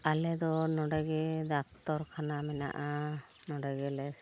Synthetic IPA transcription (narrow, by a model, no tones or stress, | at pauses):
alɛd̪ɔnɔɖaɡɛd̪ak̚t̪ɔɾkʰanamɛna̰ʔanɔɖaɡɛlɛs